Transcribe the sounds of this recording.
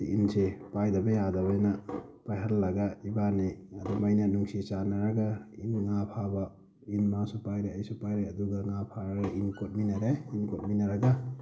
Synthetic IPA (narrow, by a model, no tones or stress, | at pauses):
iʔinsepajdabajadaβajnapajɦallaɡaibaniadɔmajnanuŋsit͡ʃanaɾaɡainŋapʰaba | inmasupajɾeajsupajɾeɐduɡaŋapʰaɾaɡaʔinkot̚minaɾeinkot̚minaɾaɡa